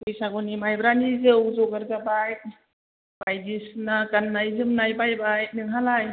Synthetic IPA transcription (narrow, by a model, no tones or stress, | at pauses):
bujsaɡɔnimajbɾanizɯwzɔɡaɾzabajt̚ | b̥ajdisnakanːajzɯmnajbajbaj̚nɯŋɦalaj